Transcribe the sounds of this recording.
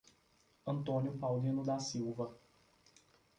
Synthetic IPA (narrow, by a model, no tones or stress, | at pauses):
ə̃nt̪onjupawd̪ĩnud̪asiwvɐ